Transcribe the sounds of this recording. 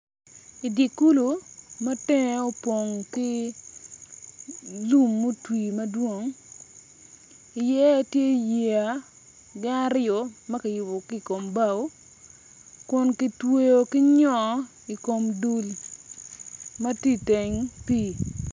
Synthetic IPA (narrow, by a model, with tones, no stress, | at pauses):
i˨djɪ˨ku˦lo˨mɐ˦tɪ˦ŋe˨˦o˦po˨ŋkɪ˦ | lu˦mːo˦twi˨mɐ˦dwo˦ŋ | ɪ˨jɛ˦tje˦je˨a˨ | ɡɪ˦na˦ɾɪɔ˨mɐ˦ka˨jʊ˨bo˨ki˦˨ko˨mba˦w | kʊ˨nki˦twe˦jo˨kɪ˦ɲɔ˦ | i˨ko˨mdu˨l | mɐ˦ti˦te˨ŋpi˦